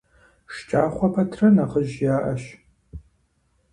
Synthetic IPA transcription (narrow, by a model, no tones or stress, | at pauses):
ʂt͡ʃʼaːχʷɐpʰɐtʰrɐnaʁəʒjaːʔɐʃ